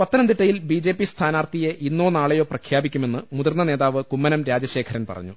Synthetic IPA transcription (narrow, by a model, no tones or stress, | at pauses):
pɐt̪ːɐnɐmd̪iʈːɐjilbid͡ʑeːpːist̪ʰaːnaːrt̪ijeʔinːoːnaːɭejo̞ːprɐkʰjaːbikʲːume̞nːɨmuðɐrnɐne̞ːðaːʋɨkumːɐnɐmɾaːd͡ʑɐɕe̞ːkʰɐɾɐnpɐ̰rɐ̰ɲːu